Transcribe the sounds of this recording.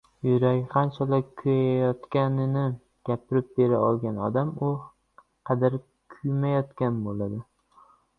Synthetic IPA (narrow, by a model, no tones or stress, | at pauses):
jʊɾaɡʲqʰɑnt͡ʃʰalɪkʲʰʊjaajɒt̪kʲanɪnɪ | ɡ̥ʲapʰɪɾɪp̚be̞ɾaɒlˠɡʲanɒd̪amʊ | qʰɑd̪aɾ | kʰʊjmajɒt̪kʲanbolad̪ɪ